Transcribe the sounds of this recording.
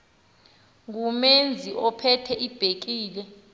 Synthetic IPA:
ŋumend͡zʱiʔɔpʰɛtʰɛʔib̥ʱek̬iːlɛ

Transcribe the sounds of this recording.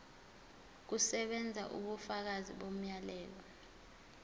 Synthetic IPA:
k̬usɛɓɛnd͡zʱa̰ʔṵɓufak̬aziɓom̩jalɛːl̬ɔ

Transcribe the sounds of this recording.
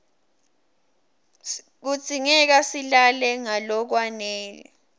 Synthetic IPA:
k̬u̥t͡sʼiŋɛk̬asilalɛŋalɔk̬wanɛːlɛ

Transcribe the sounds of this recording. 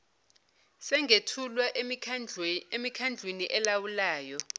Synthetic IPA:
sɛŋʱetʰulwaʔ | emikʰand͡ɮʱweniʔɛlawulaːjɔ

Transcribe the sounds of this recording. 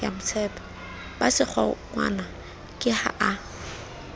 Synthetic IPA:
a̰mʊt͡sʰɛːpʰɔ̥ | basɪk͡xʰɔ̰ŋwa̰na | kʼɪha̰ʔa

